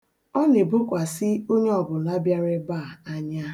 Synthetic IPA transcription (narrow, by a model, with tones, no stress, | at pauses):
ɔ˦ne˨bʊ˦kʷa˨sɪ˦o˦ɲe˦ɔ˨bʊ˨la˦bja˦ɾɪ˦baː˦˨a˦ɲa˦